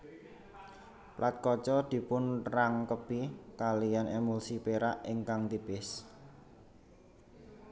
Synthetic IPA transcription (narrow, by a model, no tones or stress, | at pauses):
plʔat̪̚kɔt͡ʃɔd̪̥i̤pʊnraŋkəb̥ikalijanʔemulsipeɾaʔiŋkaŋt̪ib̥ɪs